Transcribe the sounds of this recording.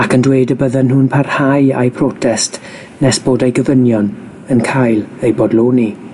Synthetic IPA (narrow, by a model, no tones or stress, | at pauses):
akʰəndwejdəbəðənɦʊnpʰarhaja̰jpʰrɔtʰɛst | nɛsb̥oːdajɡəvənjɔn | ənkʰajlˠejbɔdloːni